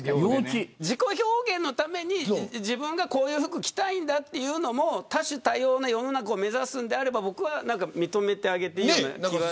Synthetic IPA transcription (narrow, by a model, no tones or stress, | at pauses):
joid͡ʑiko̞ço̞ːɡẽ̞nːo̞t̪ame̞ɲ̟id͡ʑibɯ̟̃ŋɡako̞ːjɯ̟ːɸɯ̟kɯ̟kʲi̥t̪aĩnd̪at̪ːe̞jɯ̟ːno̞mo̞t̪aɕɨt̪ajo̞ːnajo̞no̞nakaome̞zasɨ̃nd̪eaɾe̞babo̞kɯ̟βanãŋkamʲit̪o̞me̞t̪e̞aɡe̞t̪e̞iona̰kiβaa